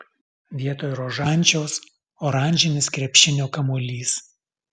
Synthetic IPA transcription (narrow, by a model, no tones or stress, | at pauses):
ʋʲiɛt̪oːjɾoːʒɑˑnʲˑt͡ʃʲɛʊs | oːɾɑˑnʲʒʲɪnʲɪskɾʲɛpʲʃʲɪnʲoːkɐmoːlʲiːs